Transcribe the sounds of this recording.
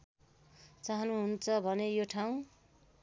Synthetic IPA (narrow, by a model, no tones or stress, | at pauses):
t͡saɦʌnuɦunt͡sʰʌbʱʌnejoʈʰaw̃